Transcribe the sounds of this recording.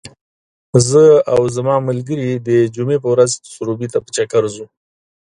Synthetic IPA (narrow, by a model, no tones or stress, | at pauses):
zəawzamɑməlɡəɾid̪əd͡ʒumep̬əwɾazt̪ə̥suɾubit̪apə̥t͡ʃakaɾzu